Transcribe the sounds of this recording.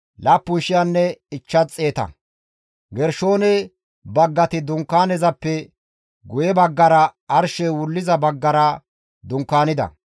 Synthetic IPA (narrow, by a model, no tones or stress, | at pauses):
laːpːʊnʃɪjanːɛɪt͡ʃːɐt͡sʼːe̞ːt̪ɐ̰ | ɡɛɾʃo̞ːnɛ | bɐɡːɐt̪ɪd̪ʊŋkːaːnɛzɐpːɛ | ɡʊjɛbɐɡːɐɾɐːɾʃɛwʊlːɪzɐbɐɡːɐɾɐ | d̪ʊŋkːaːnɪd̪ɐ̰